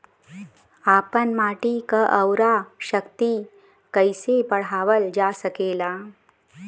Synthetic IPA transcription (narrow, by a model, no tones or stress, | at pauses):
apənmaʈikəʔəwɾaɕəkt̪i | kəjsepəɽ̤aʋəld͡ʑasəkela